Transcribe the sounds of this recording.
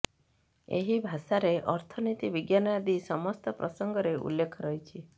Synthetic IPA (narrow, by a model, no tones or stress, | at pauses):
ḛɦibʱasaɾeʔɔɾt̪ʰɔnit̪ibiɡjanad̪isɔmɔst̪ɔpɾɔsɔŋɡɔɾeṵlːekʰɔɾɔɦjt͡ʃʰi